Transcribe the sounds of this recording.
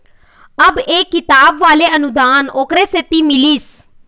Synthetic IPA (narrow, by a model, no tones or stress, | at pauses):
əbeːkɪt̪aːbʋaːleːənʊd̪aːnoːkɾeːset̪iːmɪliːs